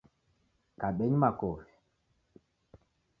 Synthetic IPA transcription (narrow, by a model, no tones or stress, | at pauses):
kaɓeɲmakof